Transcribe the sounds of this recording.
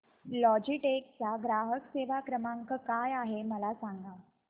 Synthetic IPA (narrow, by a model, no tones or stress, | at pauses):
lɔd͡ʑiʈek̚t͡saɡɾaɦəkseʋakɾəmaŋkəkajaɦeməlasaŋɡa